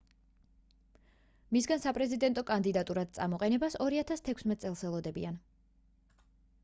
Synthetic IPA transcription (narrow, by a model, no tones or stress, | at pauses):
misɡansapʼɾɛzid̪ɛnt̪ʼɔkʼand̪id̪at̪ʼuɾad̪̥̚t̪sʼa̰mɔqʼɛnɛbasɔɾiat̪ʰast̪ʰɛkʰsmɛt̪ʼsʼɛlˠsɛlˠɔd̪ɛbḭan